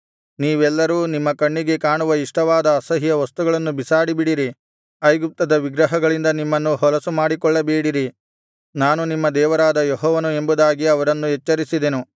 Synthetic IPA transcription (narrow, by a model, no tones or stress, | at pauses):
niːʋɛlːɐɾuːnimːɐkɐɳːiɡe̞kaːɳuʋɐiʂʈɐʋaːd̪ɐːsɐɦijɐʋɐst̪uɡɐɭɐnːubisaːɽibiɽiɾi | ɐjɡup̚t̪ɐd̪ɐʋiɡɾɐɦɐɡɐɭind̪ɐnimːɐnːuɦɔlɐsumaːɽikɔɭːɐbeːɽiɾi | naːnunimːɐd̪ɛːʋɐɾaːd̪ɐjɔɦɔːʋɐnue̞mbud̪aːɡiɐʋɐɾɐnːuɦɛt͡ʃːɐɾisid̪enu